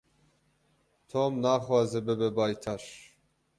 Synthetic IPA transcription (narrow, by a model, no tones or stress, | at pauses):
t̪ʰoːmnaːxwɑːzɛbɛbɛbɑːjt̪ʰaʃ